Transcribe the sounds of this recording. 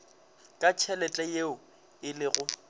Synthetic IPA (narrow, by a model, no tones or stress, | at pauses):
kʼat͡ʃʰɛlɛt͡ɬʼɛjeʊ | ɪlɪɣʊ